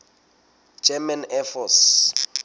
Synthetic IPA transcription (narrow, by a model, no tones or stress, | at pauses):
d͡ʒɛmɛnɛfɔs